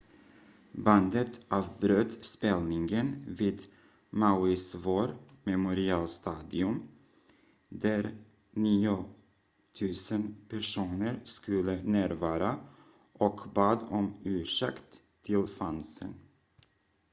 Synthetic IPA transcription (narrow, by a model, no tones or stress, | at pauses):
band̪ət̪ʔɑːvbɾøːt̪spɛlnɪŋɡənviːd̪ | maʊɪsvoːɾmɛmʊɾɪɑːlst̪ɑːd̪ɪɵm | d̪æɾ | niːʊ | t̪ʰʉ̟ːsənpʰæʂuːnəɾskɵlːənæːɾvɑːɾa | ʔɔkbɑːd̪ɔmʉ̟ːʂɛkt̪ʰː | ɪlfansə̰n